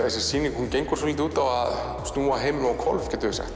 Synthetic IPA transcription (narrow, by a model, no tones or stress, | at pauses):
esɛ̥siːnɪkhuncejŋkʏɾ̥s̬ɔlit̪̬ɪuːt̪awað | st̪nuːaɦeːjmɪnawkʰɔlvcɛːt̪ʏɪsɛ̰xt̪